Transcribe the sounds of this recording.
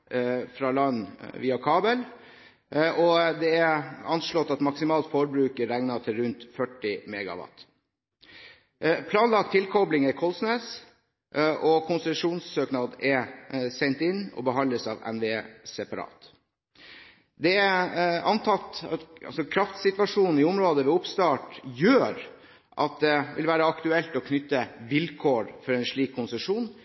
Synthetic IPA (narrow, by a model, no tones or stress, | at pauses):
fɾɑlɑnʋiːɑkʰɑːbəl | ʔɔd̪ɛæɑnʂɭɔt̪ːɑt̪mɑksɪmɑːlt̪fɔɾbɾʉːkəɾɛŋnɑʈʰɪlɾʉnt̪fœʈːɪmeːɡɑ̰ʋɑ̰t̪ | pʰlɑːnlɑkt̪ʰːɪlkʰɔblɪŋæɾkʰɔlsneːs | ʔʔɔkʰʊnsɛʂuːnssøːknɑd̪ɛɾsɛnt̪ɪnːɔ̰bəɦɑnd̪əsɑːʋɛ̰nʋeeːsɛpɑɾɑ̰ːt̪ | d̪ɛæɑnt̪ʰɑt̪ːɑt̪ɑ̰lsɔkʰɾɑft̪sɪt̪ʋɑʂuːnn̩ɪʊmɾoːd̪əʋɛʊpst̪ɑːʈjøːɾ | ʔɑt̪̚d̪ɛʋɪ̰lʋæːɾəɑkt̪ʉɛlt̪ɔkʰnʏt̪ːəʋɪlkʰoːɾfɔɾɛɪnʂɭiːkʰːʊnsəʂuːn